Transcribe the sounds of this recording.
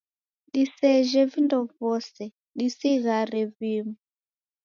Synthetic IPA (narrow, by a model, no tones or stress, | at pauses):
ɗisɛʒɛvindɔvɔsɛ | ɗisiɣaɾɛviːmu